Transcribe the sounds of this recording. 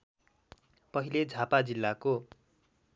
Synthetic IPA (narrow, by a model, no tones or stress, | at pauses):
pʌɦiled͡zʱapad͡zilːako